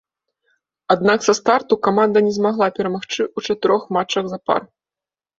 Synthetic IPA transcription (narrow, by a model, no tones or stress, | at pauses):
ad̪̚naksɐst̪art̪ukamand̪ɐnʲɛzmaɣlˠapʲɛɾɐmaxt͡ʂɨʔut͡ʂɐt̪ɨɾɔxmat͡ʂɐɣzapa̰r